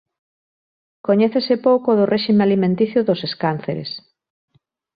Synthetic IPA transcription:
koɲɛθesɪpowkoðʊrʔeʃimealimẽnt̪iθjʊðoseskan̟θeɾḛs

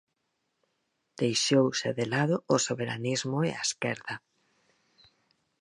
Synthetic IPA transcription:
d̪̥ejʃowseðelaðʊːsoβeɾa̰nizmʊḛa̰skɛɾðɐ

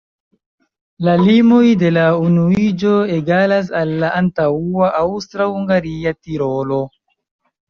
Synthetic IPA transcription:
lalimojde̞launuid͡ʒo̞eɡalas̬alːaʔantauaʔawstɾahuŋɡaɾiatiɾolo

